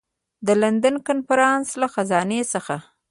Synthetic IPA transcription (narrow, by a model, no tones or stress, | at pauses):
d̪əland̪ankanfaɾɑnslaxazɑnesəxa